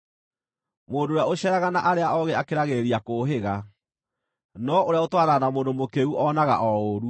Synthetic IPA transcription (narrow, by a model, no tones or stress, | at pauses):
moːndoːɾjaoɕɛɾaɣanaʔaɾeaʔɔɣɛakeɾaɣeɾiakoɦeɣa | nɔoɾeaotwaɾanamoːndomokeuʔɔnaɣa̰ʔɔoɾu